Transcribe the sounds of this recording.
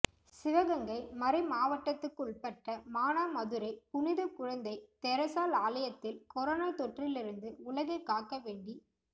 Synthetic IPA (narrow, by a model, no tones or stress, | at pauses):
sɪʋɐɣɐŋɡɐɪmɐɾɐɪmaːʋɐʈːɐt̪ːɯkːʊɭpɐʈːɐmaːnaːmɐðɯɾɐɪpʊnɪðɐkʊɻɐnd̪ɐɪt̪ɛɾɐsaːlaːlɐjɐt̪ːɪlkɔɾoːnaːt̪ɔʈrɪlɪɾɯnd̪ɯʊɭɐɣɐɪkːaːkːɐʋeːɳɖi